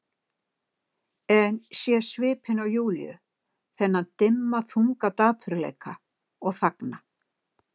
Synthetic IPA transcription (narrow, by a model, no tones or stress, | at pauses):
ɛnsjɛsvɪːphɪnawjuːljʏ̰ | θɛnːat̪ɪmːaθuŋkat̪aːpʰʏɾlḛjkʰa | ɔɣθakna